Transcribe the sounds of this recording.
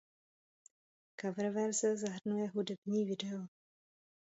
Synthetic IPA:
kavɾvɛɾzɛzaɦr̩nujɛɦudɛbɲiːvɪdɛo

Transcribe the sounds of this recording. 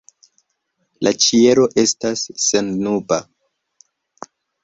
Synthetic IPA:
lʔat͡ʃie̞ɾo̞ʔe̞stasːenːuba

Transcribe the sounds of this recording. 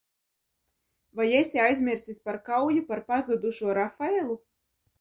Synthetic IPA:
vajesʲiajzʲmʲiɾsʲisʲpaɾkawjupaɾpazud̪uʃuɔɾafaelˠu

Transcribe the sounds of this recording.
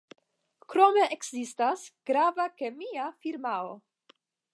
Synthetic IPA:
kɾo̞me̞ʔekzistasɡ̥ɾavakemiafiɾmao

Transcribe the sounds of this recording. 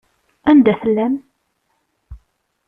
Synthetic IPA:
ænd̪æθəlːæm

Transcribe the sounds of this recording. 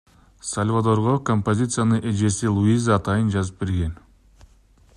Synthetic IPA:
sɐlʲvad̪o̞ɾʁokompo̞zʲit̪sɨjanɯʔed͡ʒe̞silˠuizaːt̪ɑjɯnd͡ʒɑzɯp̚beɾɡe̞n

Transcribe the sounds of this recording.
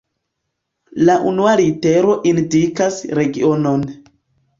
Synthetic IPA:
laʔunuaɾite̞ɾo̞ʔindikasɾe̞ɡiono̞n

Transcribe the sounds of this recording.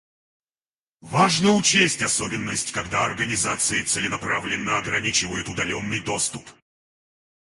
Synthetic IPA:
vaʐnəʊt͡ɕesʲtʲɐsobʲɪnːəsʲtʲkɐɡd̪aɐrɡənʲɪzat̪sɨɪt̪sɨlʲɪnɐpɾavlʲɪnːəɐɡɾɐnʲit͡ɕɪvəjʊt̪ʊd̪ɐlʲonːɨjd̪o̞st̪ʊp

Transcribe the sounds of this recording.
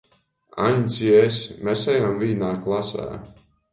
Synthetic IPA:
a̰ɲʲziɛsmɛsɛjamviːnaːklˠasæ̰ː

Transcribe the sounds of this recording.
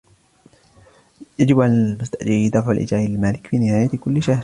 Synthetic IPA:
jad͡ʒɪbʔanmʊst̪aʔd͡ʒɪʕid̪ɑfʕalʔɪ̰d͡ʒaːʔɪlmaːlɪkfiːnɪhaːjat̪kʊlːɪʃahɾ

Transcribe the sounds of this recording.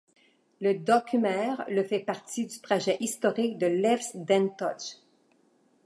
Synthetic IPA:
ləd̪ɔkʲmɛʁləfɛpaʁt̪id̪yt̪χaʒɛʔist̪ɔʁɪk̚d̪əlɛfsd̪ɛ̃nt̪ɔʃ

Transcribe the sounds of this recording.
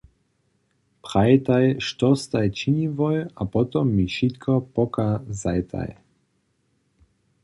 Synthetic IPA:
pʁajt̪ajʃt̪ɔst̪ajt͡ʃinivɔjapɔt̪ɔmːiʃit̪kʰɔpɔkazajt̪ʰa̰j

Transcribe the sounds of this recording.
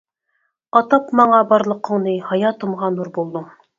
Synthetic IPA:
ɑt̪ɑpmɑɴɑbɑɾlˠə̆qə̆ŋnɨhɑjɑt̪əmʁɑnuɾbolˠd̪uŋ

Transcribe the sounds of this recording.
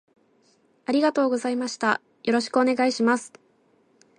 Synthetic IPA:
aɾʲiɡat̪o̞ːɡo̞zaimaɕi̥t̪a̰ | jo̞ɾo̞ɕi̥kɯo̞ne̞ɡaiɕimasɨ̥

